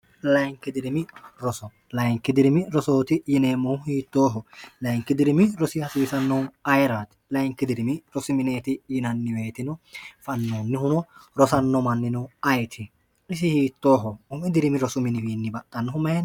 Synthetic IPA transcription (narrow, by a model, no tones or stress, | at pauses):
lɐjŋkːɪd̪ɪɾɪmɪɾɔsɔ | lɐjŋkːɪd̪ɪɾɪmɪɾɔsoːt̪ɪjɪneːmːɔwhiːt̪ːoːɦɔlɐjŋkːɪd̪ɪɾɪmɪɾɔsɪɐsiːsɐnːɔwɐjɾaːt̪ɪ̥lɐjŋkːɪd̪ɪɾɪmɪɾɔsʊmɪneːt̪ɪjɪnɐnːɪweːt̪ɪnɔfɐnːoːnːɪhʊnɔɾɔsɐnːɔmɐnːɪnɔwɐjt̪ʰɪ | ɪs̬ɪhiːt̪ːoːɦɔʊmɛd̪ɪɾɪmɪɾɔsʊmɪnɪwiːnːɪbɐt̪ʼːɐnːɔɦʊmɐjɛn